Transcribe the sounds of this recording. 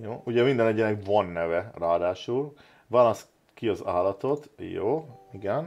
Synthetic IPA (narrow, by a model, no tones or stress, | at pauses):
joːuɟɛmind̪ɛnɛɟɛnɛkvɒnːɛvɛraːd̪aːʃul | vaːlɒs | kiɒzaːlɒt̪o̞t̪jo̰ːiɡɛn